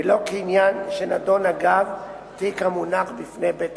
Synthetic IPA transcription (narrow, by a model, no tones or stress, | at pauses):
lo̞keinjanʃenado̞naɡav | tikamunaχbifnebet